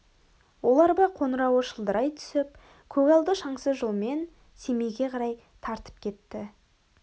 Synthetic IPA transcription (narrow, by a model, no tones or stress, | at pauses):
wo̞lˠɑɾbɑqʰo̞nəɾɑwəʃəlˠd̪əɾɑjt̪ʰʏ̥sɪp̚ | kʲʰɵɡɑlˠd̪əʃɑɴsəzʒolˠme̞n | se̞me̞jɡʲe̞qʰɑɾɑj | t̪ʰɑɾt̪ə̥p̚kʲʰe̞t̪ːɪ